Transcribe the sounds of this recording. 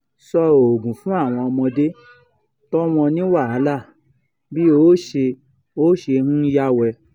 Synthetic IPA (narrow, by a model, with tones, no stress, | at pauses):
sɔ˧o˨ɡũ˨fũ˦a˦˨w̃ɔ̃˧ɔ˧mɔ̃˧de˦ | tɔ˦w̃ɔ̃˧nĩ˦wa˦˨a˨˦la˦˨ | bi˦o˦ʃe˧ | o˦ʃe˧hũ˦ja˦wɛ˧